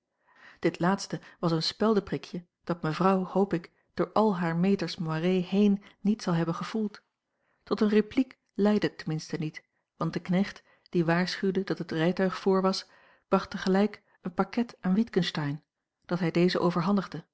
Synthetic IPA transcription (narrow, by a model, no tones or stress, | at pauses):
d̥ɪtlaːtstəʋɑsənspɛlˠdəprɪkjə | d̥ɑt̚məvrɑwhowpɪk | d̥ʊːɹʔɑlˠɦaːɹmejtəɹsmoarejhejnːitsɑlˠɦɛbənχəv̥ulˠt | tɔtənreplik | lɛjdətəmɪnstənit | ʋɑnt̚dəknɛχt | d̥iʋaːɹsχywdədɑtɦətrɛjtœɥχfʊːɹʋɑs | b̥rɑχtəχəlɛjk | ənpakɛtaːnʋitkənstɑjn | d̥ɑtɦɛjdejzəʔowvəɹɦɑndəχdə